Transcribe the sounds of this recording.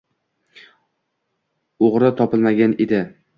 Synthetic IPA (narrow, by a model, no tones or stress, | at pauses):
oʁɾat̪ʰɒpɪlmaɡʲaned̪ɪ